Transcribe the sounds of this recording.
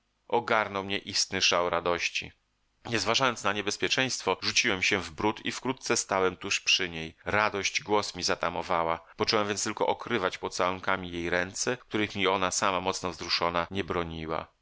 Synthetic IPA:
ʔɔɡaɾnɔwmɲɛʔist̪nɘʂawɾad̪ɔɕt͡ɕḭ | ɲɛzvaʐajɔnt̪snaɲɛbɛspʲjɛt͡ʂɛj̃st̪fɔʐut͡ɕiwɛmɕɛvbɾut̪ḭfkɾut̪̚t̪sɛst̪awɛmt̪uʂpʂɘɲejɾad̪ɔɕt͡ɕɡwɔsmʲizat̪amɔvawapɔt͡ʂɔwɛmvʲjɛnst̪ɘlkɔ̰ʔɔkɾɘvat͡ɕpɔt̪sawɛŋkamʲijejɾɛnt̪sɛk̚t̪uɾɘxmʲiɔnasamamɔt̪snɔvzɾuʂɔnaɲɛbɾɔɲiwa̰

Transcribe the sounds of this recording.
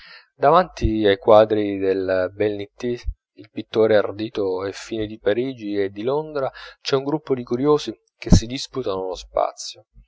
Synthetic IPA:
d̪avant̪iajkwaːd̪ɾid̪elbɛlnit̪ːi | ilpit̪ːoːɾeard̪iːt̪oɛfːiːned̪ipaɾiːd͡ʒied̪ːilond̪ɾat͡ʃɛuŋɡɾupːod̪ikuɾjoːzi | k̟esːid̪isput̪anolospa̰t̪sːjo

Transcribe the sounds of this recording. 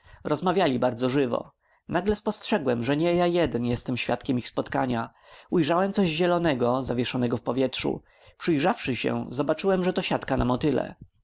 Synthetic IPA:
ɾɔzmavʲjalʲibaɾd̪zɔʐɘvɔ̰ | naɡlɛspɔstʂɛɡwɛmʐɛɲɛjajɛd̪ɛnjɛst̪ɛmɕfʲjat̪kʲɛmixspɔt̪kaɲa | ujʐawɛmt̪sɔʑʑɛlɔnɛɡɔzavʲjɛʂɔnɛɡɔfpɔvʲjɛtʂṵ | pʂɘjʐafʂɘɕɛ̰zɔbat͡ʂɘwɛmʐɛt̪ɔɕat̪kanamɔt̪ɘlɛ̰

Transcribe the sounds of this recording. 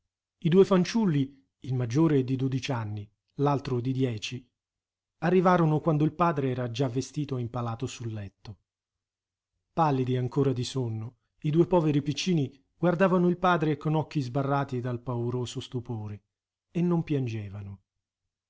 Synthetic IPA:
id̪uːefant͡ʃulːi | ilmad͡ʒːoːɾed̪id̪od̪it͡ʃanːi | lalt̪ɾod̪id̪jɛːt͡ʃi | arːivaːɾonokwand̪oilpaːd̪ɾeɛːɾad͡ʒavːest̪iːt̪oimpalaːt̪osulːɛt̪ːo | palːid̪iaŋkoːɾad̪isonːo | id̪uːepɔːveɾipit͡ʃːiːni | ɡ̥ward̪aːvanoilpaːd̪ɾekːonɔk̟ːizbarːaːt̪id̪alpauɾoːzost̪upoːɾe | enːompjand͡ʒeːvano

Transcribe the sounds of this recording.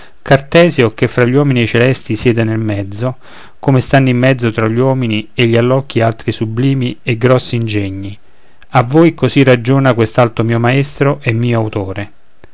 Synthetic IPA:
kart̪ɛːzjokefːɾaʎːwɔːminiet͡ʃelɛst̪isjɛːd̪enelmɛd̪zːo | komest̪anːimːɛd̪zːot̪ɾaʎːwɔːminieʎːialːɔkːialt̪ɾisubliːmieɡɾɔsːind͡ʒɛɲːi | avːoːjkosirːad͡ʒoːnakwest̪alt̪omiːomaɛst̪ɾoʔɛmːiːoawt̪oːɾe

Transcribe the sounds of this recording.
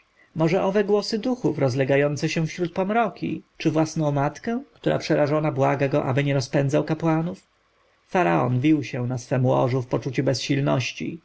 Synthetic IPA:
mɔʐɛʔɔvɛɡwɔsɘd̪uxufɾɔzlɛɡajɔnt̪sɛɕɛ̃fɕɾut̪̚pɔmɾɔkʲḭt͡ʂɘvwasnɔ̃w̃mat̪kɛ̃kt̪uɾa̰pʂɛɾaʐɔnabwaɡaɡɔʔa̰bɘɲɛɾɔspɛnd̪zawkapwanuf | faɾaɔ̰nvʲiwɕɛ̃nasfɛmwɔ̰ʐufpɔt͡ʂut͡ɕɛbɛsɕilnɔ̰ɕt͡ɕḭ

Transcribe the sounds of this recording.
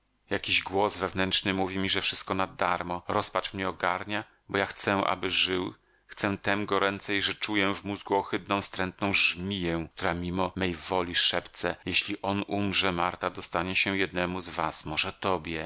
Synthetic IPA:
jakʲiʑɡwɔzvɛvnɛntʂnɘmuvʲimʲiʐɛfʂɘst̪̚kɔnad̪aɾmɔɾɔspat͡ʂmɲɛɔɡaɾɲa | bɔjaxt̪sɛ̃ʔa̰bɘʐɘw | xt̪sɛ̃t̪ɛmɡɔɾɛnt̪sɛjʐɛt͡ʂujɛvmuzɡuɔxɘt̪nɔ̃w̃st̪ɾɛnt̪nɔ̃w̃ʐmʲijɛ̃k̚t̪uɾamʲimɔmɛjvɔlʲiʂɛpt̪sɛ̰jeɕlʲiʔɔnumʐɛmaɾt̪ad̪ɔst̪aɲɛɕɛ̃jɛd̪nɛmuzvasmɔʐɛt̪ɔbʲjɛ

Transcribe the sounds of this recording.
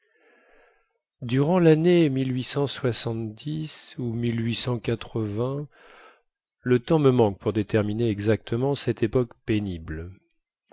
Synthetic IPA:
d̪yʁɑ̃lanemilɥisɑ̃swasɑ̃t̪d̪isumilɥisɑ̃kat̪χəvɛ̃ | lət̪ɑ̃məmɑ̃k̚puʁd̪et̪ɛʁmineɛɡzak̚t̪ʰəmɑ̃sɛt̪ʰepɔkpenibl

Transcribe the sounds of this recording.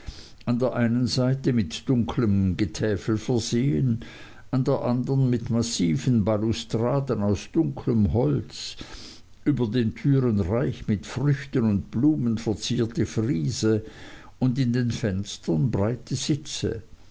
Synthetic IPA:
ʔandeːɐʔaɪnənzaɪtəmɪtd̥ʊŋkʰləmɡətʰɛːfl̩fɛɐzeːən | ʔandeːɐʔandənmɪtmasiːvənbalustʁ̥aːdənaʊsd̥ʊŋkʰləmɦɔlt͡s | ʔyːbɐdeːntʰyːʁənʁaɪçmɪtfʁ̥ʏçtənʊntb̥luːmənfɛɐt͡siːɐtəfʁiːzə | ʊndɪndeːnfɛnstɐnbʁaɪtʰəz̥ɪt͡sə̰

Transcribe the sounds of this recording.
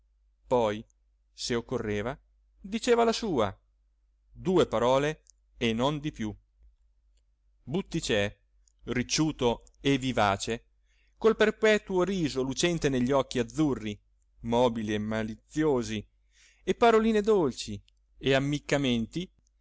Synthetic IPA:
pɔj | seokːorːeːva | d̪it͡ʃeːvalasuːa̰ | d̪uːepaɾɔːleː | nːond̪ipju | but̪ːit͡ʃɛ | rit͡ʃːuːt̪o | evːivaːt͡ʃe | kolperpɛːt̪uoɾiːzolut͡ʃɛnt̪eneʎːiɔkːiad̪zːurːi | mɔːbiliemalit̪sːjoːzi | epːaɾoliːned̪olt͡ʃi | eamːikːament̪i

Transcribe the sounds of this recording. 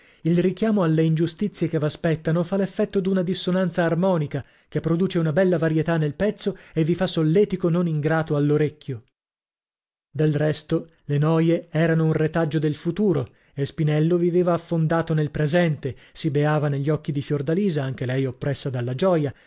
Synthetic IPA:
ilrik̟jaːmoalːeind͡ʒust̪it̪sːjekevaspɛt̪ːanofalːefːɛt̪ːod̪unad̪isːonant̪saːrmɔːnika | kepːɾod̪uːt͡ʃeunabɛlːavaɾjet̪anːelpɛt̪sːoevːifasːolːɛːt̪ikononiŋɡɾaːt̪oalːoɾekːjo | d̪elrɛst̪o | lenɔːjeɛːɾanounret̪ad͡ʒːod̪elfut̪uːɾo | espinɛlːoviveːvaːfːond̪aːt̪onelpɾezɛnt̪esibeaːvaneʎːɔkːid̪ifjord̪aliːzaaŋk̟elɛjopːɾɛsːad̪alːad͡ʒɔːja

